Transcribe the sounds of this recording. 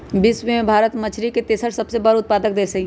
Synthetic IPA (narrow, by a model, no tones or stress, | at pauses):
bɪswimẽbʱaːɾət̪mət͡ʃʰɾiket̪eːsəɾsəbsebəɾʊt̪̚paːd̪ək̚d̪eːsəki